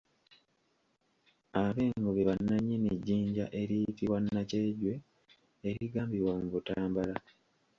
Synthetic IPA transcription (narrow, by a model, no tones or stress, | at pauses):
aβe̞ːŋɡoβeβanːaɲːiniɟːiːɲɟa̰ʔe̞ɾitiwanːaceɟwe̞ | eɾiɡaːmbiwamuβutaːmbala